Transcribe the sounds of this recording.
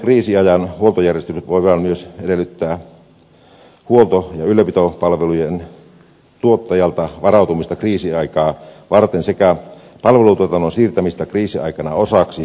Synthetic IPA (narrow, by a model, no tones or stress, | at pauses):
kriːsiɑjɑnhuolt̪ojærjest̪ysyt̪ʋoiʋɑnmyøsedelːˑyt̪ːæː | huolt̪ojɑylːˑøpit̪opɑlʋelujen | t̪uot̪ːɑjɑlt̪ɑʋɑrɑˑut̪umist̪ɑkriːsiɑikɑːʋɑrt̪ensekæ | pɑlʋelut̪uot̪ɑnːonsiːrt̪æmist̪ɑkriːsiɑ̰ikɑnɑosɑksi